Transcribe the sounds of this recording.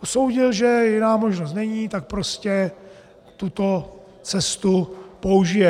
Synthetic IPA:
oso̞wɟɪlʒɛjɪnaːmoʒnost̪nɛɲiːt̪ak̚pɾo̞scɛ | t̪ut̪o | t͡sɛst̪upouʒɪjɛ

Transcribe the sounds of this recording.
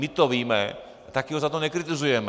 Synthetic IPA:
mɪt̪oʋiːmɛ̰ | t̪akɪɦozat̪onɛkɾɪt̪ɪzujɛm

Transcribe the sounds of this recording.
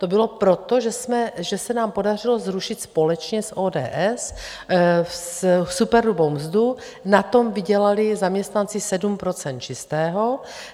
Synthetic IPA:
t̪obɪlo̞pɾot̪oʒɛsmɛʒɛsɛnaːmpo̞dar̝ɪlozɾuʃɪt̪spo̞lɛt͡ʃɲɛsʔoːdɛ̰ːʔɛs | ssupɛɾlubowmzdu | nat̪o̞mvɪɟɛlalɪzamɲɛst̪nant͡sɪsɛdumpɾo̞t͡sɛnt̪̚t͡ʃɪst̪ɛːɦo

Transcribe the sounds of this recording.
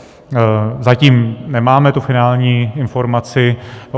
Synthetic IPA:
zaciːmnɛmaːmɛt̪ufɪnaːlɲiːɪnfo̞ɾmat͡sɪ

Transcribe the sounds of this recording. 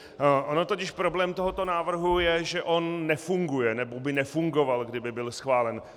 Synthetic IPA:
ʔono̞t̪o̞cɪʃpɾo̞blɛːmt̪o̞ɦo̞t̪o̞naːvr̩ɦujɛʒɛʔo̞nːɛfuŋɡujɛnɛbobɪnɛfuŋɡo̞valɡdɪbɪbɪlsxvaːlɛn

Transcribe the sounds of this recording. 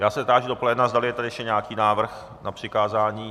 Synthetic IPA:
jaːsɛzt̪aːʒɪdo̞polɛdnazdalɪjɛt̪adɪɛʃcɛɲakiːnaːvr̩x | nʔapr̝̥ɪkaːzaːɲiː

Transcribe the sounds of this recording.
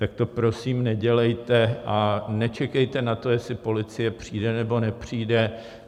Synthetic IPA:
t̪ak̚t̪o̞pɾo̞siːmnɛɟɛlɛjt̪ɛʔanɛt͡ʃɛkɛjt̪ɛnat̪o̞jɛslɪpo̞lɪt͡sɪjɛpr̝̥iːdɛnɛbo̞nɛpr̝̥iːdɛ

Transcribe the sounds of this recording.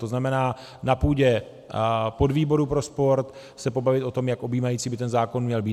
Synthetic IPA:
t̪oznamɛnaː | napuːɟɛ | po̞dviːbo̞ɾupɾo̞spo̞ɾt̪ | sɛpo̞bavɪt̪o̞t̪o̞mjakʔo̞biːmajiːt͡siːbɪt̪ɛnzaːko̞nmɲɛlbiː

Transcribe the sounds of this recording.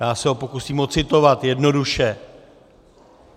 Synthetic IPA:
jaːsɛɦo̞po̞kusiːmo̞t͡sɪt̪o̞vat̪jɛdno̞duʃɛ

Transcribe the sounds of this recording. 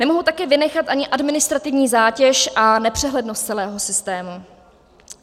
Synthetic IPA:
nɛmoɦut̪akɛːvɪnɛxat̪ʔaɲɪʔadmɪnɪst̪ɾat̪ɪvɲiːzaːcɛʃʔanɛpr̝̥ɛɦlɛdnost̪t͡ssɛlɛːɦo̞sɪst̪ɛːmu

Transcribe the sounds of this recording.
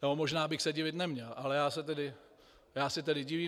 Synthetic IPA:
jomoʒnaːbɪxsɛɟɪvɪt̪nɛmɲɛlʔalɛjaːsɛt̪ɛdɪ | jaːsɪt̪ɛdɪɟɪviː

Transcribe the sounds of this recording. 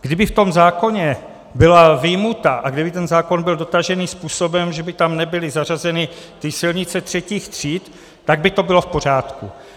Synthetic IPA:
ɡ̥dɪbɪft̪o̞mzaːko̞ɲɛ | bɪlavɪjmut̪aʔaɡdɪbɪt̪ɛnzaːko̞nbɪldo̞t̪aʒɛniːspuːsobɛmʒɛbɪt̪amnɛbɪlɪzarazɛnɪt̪ɪsɪlɲɪtt͡sɛt̪r̝̥ɛciːxt̪r̝̥iːt̪ː | aɡ̚bɪt̪o̞bɪlo̞fpo̞r̝aːt̪kṵ

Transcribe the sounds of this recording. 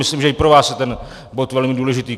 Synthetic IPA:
mɪsliːmʒɛɪpɾovaːsjɛt̪ɛn | bot̪vɛlmɪduːlɛʒɪt̪iː

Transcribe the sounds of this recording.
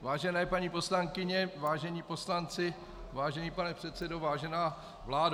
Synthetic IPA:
vaːʒɛnɛːpaɲiːposlaŋkɪɲɛvaːʒɛɲiːposlant͡sɪ | vaːʒɛniːpanɛpr̝̥ɛt̪sɛdovaːʒɛnaː | vlaːd

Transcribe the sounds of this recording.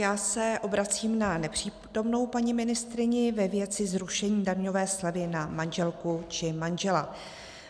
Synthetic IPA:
jaːsɛʔo̞bɾat͡siːmnanɛpr̝̥iː | t̪o̞mno̞wpaɲɪmɪnɪst̪ɾɪɲɪvɛvjɛt͡sɪzɾuʃɛɲiːdaɾɲo̞vɛːslavɪnamanʒɛlkut͡ʃɪmanʒɛla

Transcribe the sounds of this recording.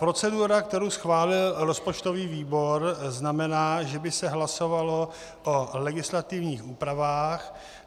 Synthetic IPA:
pɾo̞t͡sɛduɾak̚t̪ɛɾowsxvaːlɪlɾospot͡ʃt̪o̞viːviːbo̞ɾznamɛnaːʒɛbɪsɛɦlaso̞valo̞ | ʔolɛɡɪslat̪ɪvɲiːxuːpɾavaːx

